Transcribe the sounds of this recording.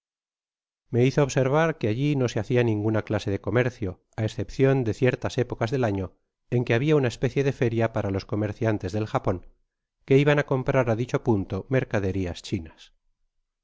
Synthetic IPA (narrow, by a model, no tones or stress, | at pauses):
me̞iθoːβse̞ɾβ̞aɾke̞aʎino̞se̞aθianĩŋɡunaklase̞ð̞e̞ko̞me̞ɾθjo̞ | aesθe̞pθjo̞nd̪e̞θje̞ɾt̪ase̞po̞kazðe̞laɲo̞ | e̞ŋke̞aβ̞iaunae̞spe̞θje̞ðe̞fe̞ɾjapaɾalo̞sko̞me̞ɾθjant̪e̞zðe̞lxapo̞ŋ | ke̞iβanako̞mpɾaɾaðit͡ʃo̞punt̪o̞me̞ɾkaðe̞ɾiast͡ʃinas